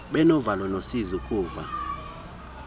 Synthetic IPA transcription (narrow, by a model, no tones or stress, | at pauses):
ɓɛnɔvalwɔnosizikʼuːva̰